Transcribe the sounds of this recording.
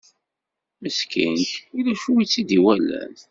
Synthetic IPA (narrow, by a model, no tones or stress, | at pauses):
məskḭnçtilæʃuwit͡sːid̪iwælːæ̰n